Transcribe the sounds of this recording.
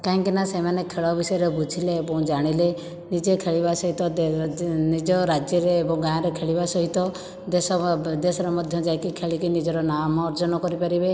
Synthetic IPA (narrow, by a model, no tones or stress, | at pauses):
kaãŋkinasemanekʰeɭɔbisɔjɔɾebud͡ʒʱileːbɔ̃w̃d͡ʒaɽ̃ile | nid͡ʒekʰeɭibasɔɦit̪ɔd̪nid͡ʒɔɾad͡ʒjɔɾeːbɔ̃ɡaãɾekʰeɭibasɔɦit̪ɔ | d̪esɔd̪esɔɾɔmɔd̪ʱjɔd͡ʒajkikʰeɭikinid͡ʒɔɾɔnamɔːɾd͡ʒɔnɔkɔɾipaɾibe